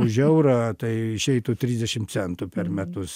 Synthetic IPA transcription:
ʊʒʲɛʊɾɑːt̪ɐɪɪʃʲɛɪt̪ut̪ʲɾʲiːzʲd̪ʲɛʃʲɪmt̪t͡s̪ʲɛnt̪upʲɛrmʲæt̪ʊs

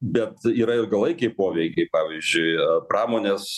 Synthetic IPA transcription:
bʲɛt̪iːɾɐɪrɡɐlˠɐɪkʲɛɪpoːʋʲɛɪkʲɛɪpɑːʋʲiːzʲd͡ʒʲʊɪpɾɑːmoːnʲeːs

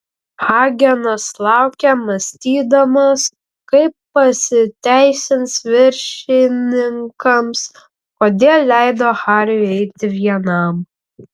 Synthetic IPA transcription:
xɑːɡʲɛnɐslˠɑˑʊkʲɛmɐsʲt̪ʲiːd̪ɐmɐs | kɐɪpːɐsʲɪt̪ʲæɪsʲɪnsʋʲɪɾʲʃʲɪnʲɪŋkɐms | koːd̪ʲeːlˠʲlʲæˑɪd̪oːxɑːɾʲjʊɛɪt̪ʲɪʋʲiɛnɐm

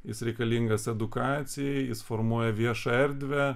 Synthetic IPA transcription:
jɪsɾʲɛɪkɐlʲiŋɡɐsɛd̪ʊkɑːt̪sʲɪjɛɪjɪsfoɾmuɔjɛʋʲiɛʃɐɛɾʲd̪ʲʋʲæ

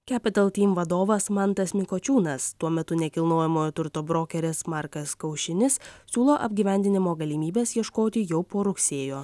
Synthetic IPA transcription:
kʲæːpʲɪt̪ɐlˠt̪ʲiːmʋɐd̪oːʋɐsmɐnt̪ɐsmʲɪkot͡ʃʲuːnɐst̪uɔmʲɛt̪ʊnʲɛkʲɪlˠnoːjɛmoːjot̪ʊɾt̪oːbɾoːkʲɛɾʲɪsmɑˑɾkɐskɐʊʃʲɪnʲɪssʲuːlˠoːʔɐbʲɡʲiːʋʲæˑnʲd̪ʲɪnʲɪmoːɡɐlʲimʲiːbʲeːsjiɛʃkoːt̪ʲɪjɛʊpoːɾʊksʲeːjoː

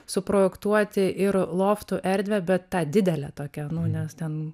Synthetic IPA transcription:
sʊpɾoːjɛkt̪uɔt̪ʲɪʔɪɾlˠoːft̪ʊʔɛɾʲd̪ʲʋʲɛbʲɛt̪t̪ɑːd̪ʲɪd̪ʲɛlʲɛ̰ːt̪oːkʲɛnʊnʲɛst̪ʲɛn

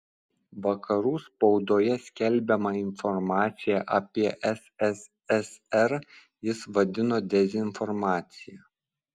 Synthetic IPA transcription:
ʋɐkʰɐɾuːspɒʊd̪oːjɛsʲkʲɛlʲbʲɛmɐɪnfɔɾmɑːt̪sʲɪjɛʔɐpʲiɛʔɛsɛs | ɛsɛɾ | jɪsʋɐd̪ʲɪnoːd̪ʲɛzʲɪnfɔɾmɑːt̪sʲɪjɛ

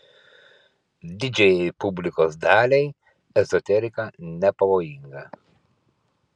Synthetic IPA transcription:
d̪ʲɪd͡ʒʲɛjɛɪpʊbʲlʲɪkoːsd̪ɑːlʲɛɪ | ɛzɔt̪ʲɛɾʲɪkɐnʲɛpɐʋoːjɪŋɡɐ

